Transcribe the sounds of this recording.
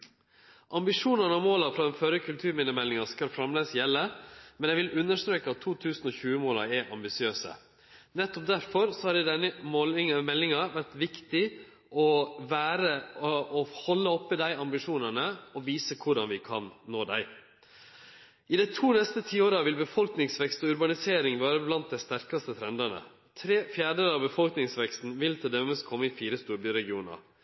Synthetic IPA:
ʔɑmbɪʂuːnənəɔmoːlɑfɾɑdɛnføːɾəkʰʉlt̪ʰʉːɾmiːnəmɛlːɪŋɑskɑlfɾɑmleːsjɛlːəmɛnjæɛʋɪlʉnːəʂt̪ɾøːkəɑt̪ʰːuːt̪ʰʉːsn̩ɔçʉːəmoːlɑ̰ɾɛɾʔɑ̰mbɪsɪøːsə̰ | nɛt̪ːɔp̚d̪æɾfɔɾsɔhɑɾd̪ɛɪd̪ɛnəmɔmɛlːɪŋɑʋæɾʈ̪ʋɪkt̪ɪ | ʔɔʋæːɾəɔhɔlːəɔpːəd̪æɪɑmbɪʂuːnənəɔʋiːsəkʰʊɖɑnʋɪkʰɑ̰nnoːd̪æ̰ɪ | ɪd̪æɪt̪ʰuːnɛst̪ət̪ʰiːoːɾɑʋɪlbəfɔlknɪŋsʋɛkst̪ɔʉɾbɑnɪseːɾɪŋʋæːɾəblɑnt̪̚d̪æɪst̪æɾkɑst̪ət̪ʰɾɛnd̪ɑnə̰ | t̪ʰɾeːfjæːɖəlɑbəfɔlknɪŋsʋɛkst̪n̩ʋɪlt̪ʰɪld̪ɛməst̪̚kʰɔmːəɪfiːɾəst̪uːɾbyːɾɛɡɪuːnɑ̰ɾ

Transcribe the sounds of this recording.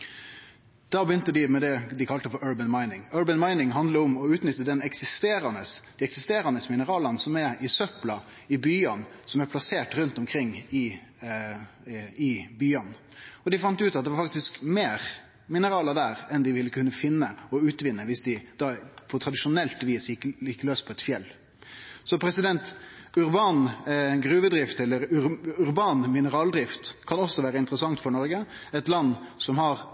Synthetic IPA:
d̪̥ɑːbəjʏnt̪əd̪ɪmɛd̪ɛd̪ɪkʰɑlt̪əfɔɾœːbənmɑɪnɪŋœːɹbənmɑɪnɪŋɦɑnd̪ləɔmɔʉːt̪nʏt̪ːəd̪ɛnɛksɪst̪eːɾɑnəsd̪̥ɪɛksɪst̪eːɾɑnəsmɪnəɾɑːlɑnəsɔmɛɾɪsœplɑ | ɪbyːɑnsɔmæɾpʰlɑseːʈɾʉnt̪ɔmkʰɾɪŋːɪ | ɪbyːɑn | ɔd̪ɪfɑnt̪əʉːt̪ɑt̪d̪ɛʋɑɾfɑk̚t̪ɪskmeːɾ | mɪnəɾɑːləd̪æɾɛnd̪ɪʋɪlːəkʰʉnːəfɪnːəɔʉːt̪ʋɪnːəʋɪsd̪ɪd̪̥ɑpʰɔt̪ʰɾɑd̪ɪʃʊnɛlt̪ʋiːsjɪkɪkːløːspʰɔɛt̪fjɛlː | sɔpʰɾɛsɪd̪ɛnt̪ʉɾbɑːnɡɾʉːʋəd̪ɾɪft̪ɛlːəɾʉʉɾbɑːnmɪnəɾɑːld̪ɾɪft̪kʰɑnɔsːɔʋæːɾəɪnt̪əɾəsɑŋt̪fɔɾɳɔɾɡə | ɛt̪lɑnːsɔmhɑɾ

